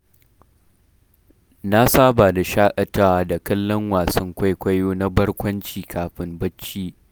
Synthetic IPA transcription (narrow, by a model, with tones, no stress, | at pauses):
na˦saː˦ba˨da˨ʃaː˦ʔʼɐ˨ta˦wa˨da˨kɐ˦lːɐ˦ŋwaː˨sɐ˦ŋkʷa˦jkʷɐ˦joː˦na˦bɐ˦rkʷɐ˦nt͡ʃiː˨kʰaː˨ɸɪ˦mbɐ˦t͡ʃːiː˦